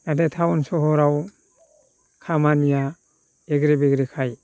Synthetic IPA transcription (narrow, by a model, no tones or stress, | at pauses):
nadetʰawnsɔɦɔɾaw | kʰamanija | eɡɾebeɡɾekʰaj